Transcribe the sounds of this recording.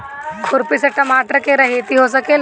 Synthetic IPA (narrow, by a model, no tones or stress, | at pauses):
kʊɾpiseʈɐmaːʈəɾkeɾɐɦet̪iɦos̬ɐkel